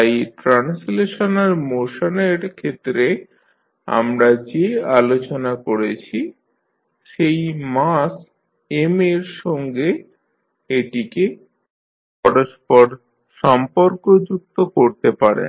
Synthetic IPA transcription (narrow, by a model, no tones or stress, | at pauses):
ajʈɾansleʃonaɾmoʃoneɾkʰet̪ːɾe | a̰mɾad͡ʑealot͡ɕonakoɾet͡ɕʰi | ʃejmas | emeɾʃɔŋɡe | eʈike | pɔɽoʃpoɾ | ʃɔmpoɾkod͡ʑuk̚t̪okoɾt̪epaɾḛn